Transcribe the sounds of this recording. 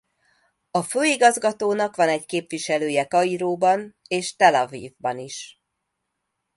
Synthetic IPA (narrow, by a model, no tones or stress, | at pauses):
ɒføːiɡɒzɡɒt̪oːnɒkʋɒnɛɟkeːpʋiʃɛløːjɛkɒiɾoːbɒneːʃt̪ɛlɒvḭːvbɒniʃ